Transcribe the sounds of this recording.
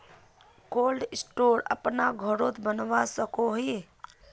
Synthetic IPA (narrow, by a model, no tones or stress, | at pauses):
koːlɖɪsʈoːɾə̰pnaɡʱəɾot̪bənʋasəkoɦi